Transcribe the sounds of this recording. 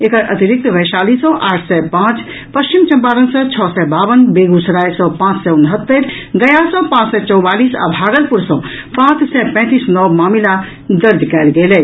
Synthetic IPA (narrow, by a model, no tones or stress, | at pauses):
ekəɾʔɐt̪iɾik̚t̪ʋɛsaːlisɔ̃ʔaːʈʰsɛpãːt͡ʃ | pəst͡ʃimt͡ʃɐmpaːɾənsə̃t͡ʃʰɔsɛbaːʋənbeɡusɐɾaːjsɔ̃pãːt͡ʃsɛunɦət̪ːəɾɡɐjasɔ̃pãːt͡ʃsɛt͡ʃɔwbaːliːsa̰bʱaːɡəlpuɾsɔ̃pãːt͡ʃsɛpɛ̃ːt̪iːsnɔwmaːmila | d̪əɾd̪kɛːlɡelɛ